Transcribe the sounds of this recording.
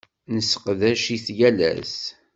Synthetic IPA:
nəsə̥qðæʃiθjælæ̰s

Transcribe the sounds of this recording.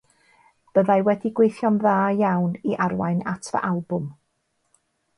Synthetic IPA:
b̥əðajwɛdiɡwejθjɔnðaːjawniʔarwa̰jnatʰvə̰ʔalˠbʊm

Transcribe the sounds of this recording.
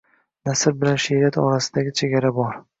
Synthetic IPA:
nasɪɾbɪlanʃeɾat̪ʰɒɾasɪd̪aɡʲɪt͡ʃʰe̞ɡʲaɾabɒɾ

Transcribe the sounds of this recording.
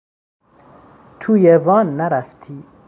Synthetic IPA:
t̪ʰujevɒːnːæɾæft̪ʰiː

